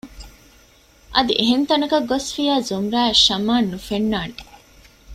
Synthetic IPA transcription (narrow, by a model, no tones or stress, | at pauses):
ʔɐd̪iʔeɦent̪ɐnɐkɐɡːosfijaːzumɾæːʃɐmaːnːufenːaːne